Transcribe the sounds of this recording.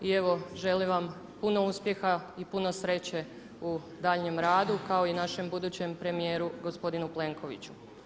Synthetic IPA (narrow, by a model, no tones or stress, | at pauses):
ie̞ʋo̞ʒe̞liʋam | puno̞uspje̞xaipuno̞sɾe̞t͡ɕe | u | d̪aːʎɲe̞mɾaːd̪ukao̞inaʃe̞mbud̪uːt͡ɕe̞mpɾe̞mijeːɾuɡo̞spo̞d̪inuple̞ŋkʰo̞ʋit͡ɕu̥